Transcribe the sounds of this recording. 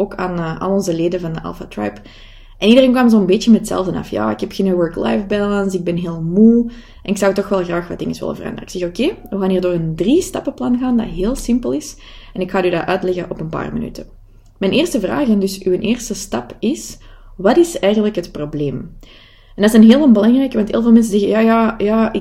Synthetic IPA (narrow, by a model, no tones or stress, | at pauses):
oːka̰ːnʔɑ̰lˠɔnzəleːdənvɑndəʔɑ̰lˠfa̰tra̰jp | ʔɛnidəreːnkwaːmzoːnbeːtjəmɛtsɛ̰lˠvənɑ̰fja̰ːɪkɛpxɪnəwɜɹkla̰jfbɛlɑnsɪɡ̚bɛnɦeːlˠmu | ɛnɪksɑwtɔxʋɛlˠɣraːxʋɑt̚d̥ɪ̰ŋəswɪ̰lə̰nvərɑ̰nd̪ərəɪksɛxokeːʋəɣaːniːrdoːrəndristɑpəplɑnɣaːndɑ̰tɦeːlˠsɪmpəlˠɪs | ɛnɪkxaːdyːdaʔœːtlɛɣəʔɔpənpa̰ːrməny̰tʰə | mɛneːrstəvra̰ːxɛndʏsyənʔeːrstəstɑpɪswɑtɪsɛjɣənləkɦətprobleːm | ɛndɑtɪsənɦeːlˠnbəlɑŋrɛjkəʋɑntʰḛːlˠvɑlˠmɛns̬əzɛɣəjaːjaːjaːɪ